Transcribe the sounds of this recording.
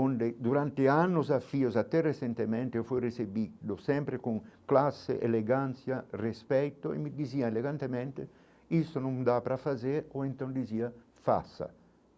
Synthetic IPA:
ond̪ed̪uɾant̪eanːozafːiozat̪ːɛresent̪emɛnt̪eofujresebid̪osɛmpɾekuŋklasːḛʔeleɡant̪sjarespɛjt̪oḛmːid̪iziːaeleɡant̪emɛnt̪e | ist̪onũmd̪apɾafazeɾoent̪ond̪iziːa | fa̰sːa̰

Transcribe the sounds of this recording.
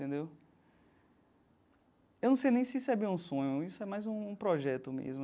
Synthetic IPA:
t̪ẽnd̪ew | ewnɐ̃w̃sejnẽj̃sɪisʊɛbiɐũsõɲʊisʊɛmajzũũpɾɔʒɛt̪ʊmḛzmʊ

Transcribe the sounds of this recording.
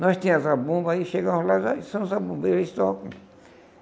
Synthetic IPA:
nɔst̪ĩmʊzabõbɐiʃeɡɐ̃mʊzlaʒasɐ̃m̃zabũmbeɾist̪ɔkṵ̃

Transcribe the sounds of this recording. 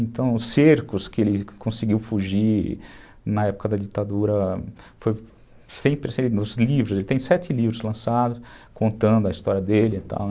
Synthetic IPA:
ẽnt̪ɐ̃w̃ʊseɾkʊskɪelɪkõsɪɡiwfuʒi | nɐɛpʊ̥kɐd̪ɐd͡ʒit̪ad̪uɾɐ | foj | sẽj̃pɾesẽɪnʊzlivɾʊzelɪt̪ẽj̃sɛt̪ɪlivɾʊzlɐ̃sad̪ʊskõnt̪ɐ̃nd̪ʊɐist̪ɔɾiɐd̪elɪẽt̪ɐ̰̃w̃

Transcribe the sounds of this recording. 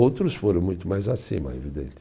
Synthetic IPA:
owt̪ɾʊsfoɾɐ̃w̃mũj̃t̪ʊmajzasḭ̃mɐ̰evid̪ḛ̃nt̪ɪ

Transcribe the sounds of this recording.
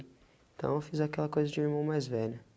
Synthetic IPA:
t̪ɐ̃w̃ewfizakɛlɐkojzɐd͡ʒɪiɾmɐ̃w̃majzvɛʎɐ

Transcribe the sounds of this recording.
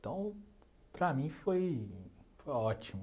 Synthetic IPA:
t̪ɐ̃w̃ | pɾɐmĩfoj | fojɔt͡ʃimʊ

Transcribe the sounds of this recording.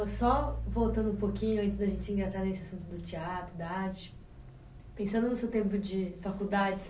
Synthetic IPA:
ɐsɔvowt̪ɐ̃nd̪ũpokĩɲʊɐ̃nt͡ʃɪzd̪ɐʒẽnt͡ʃɪĩŋɡɾasaɾnesɪasũt̪ʊd̪ʊt͡ʃiat̪ɾʊd̪aaɾt͡ʃɪ̥ | pẽsɐ̃nd̪ʊnʊsewt̪ẽmpʊd͡ʒɪfakud̪ad͡ʒɪs

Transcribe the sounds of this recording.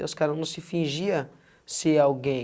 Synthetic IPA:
ʊskaɾɐ̃nɐ̃w̃sɪfĩʒiɐ | sɪawɡẽ

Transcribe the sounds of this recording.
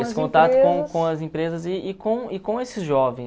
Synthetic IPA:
esɪ̥kõt̪at̪ʊõkõɐzẽpɾezɐzɪːkõɪkõesɪzʒɔvẽ

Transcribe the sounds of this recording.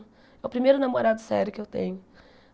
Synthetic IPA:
ɛʊpɾimejɾʊnamoɾad̪ʊsɛɾʊkɪewt̪ḛ̃ɲʊ

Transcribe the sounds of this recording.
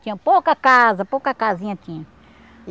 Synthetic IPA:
t̪ĩɲɐ̃powkɐkazɐpowkɐkazĩɲɐt̪ĩɲɐ̃

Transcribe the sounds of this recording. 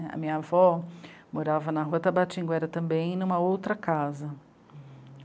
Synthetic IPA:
ɐ̰mĩɲɐavɔmoɾavɐnɐɦuɐt̪abat͡ʃĩŋɡʊɛɾɐt̪ɐ̃bẽj̃nũmɐowt̪ɾɐkazɐ

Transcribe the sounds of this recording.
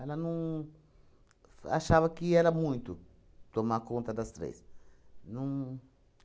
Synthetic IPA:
ɛlɐnɐ̃w̃ | a̰ʃavɐkɪɛlɐmũj̃t̪ʊ | t̪omakõnt̪ɐd̪ɐst̪ɾḛsnũw̃

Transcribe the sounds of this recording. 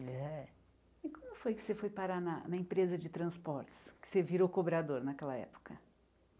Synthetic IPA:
ɛɛ | ɪkɐ̃mʊfojkɪ̥sefojpaɾanɐnɐẽpɾezɐd͡ʒɪt̪ɾɐ̃spɔɾt͡ʃɪ̥skɪ̥seviɾokobɾad̪oɾnɐkɛlɐɛ̰po̥kɐ

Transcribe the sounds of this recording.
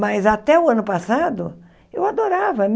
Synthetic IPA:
mɐzat̪ɛʊɐ̃nʊpasad̪ʊ | ewad̪oɾavɐm

